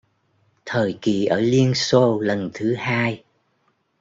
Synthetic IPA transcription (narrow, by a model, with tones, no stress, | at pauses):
t̪ʰəː˨˩jki˨˩ʔəː˧˩li˧ənso˧lə˨˩nt̪ʰɨ˨˦haː˧j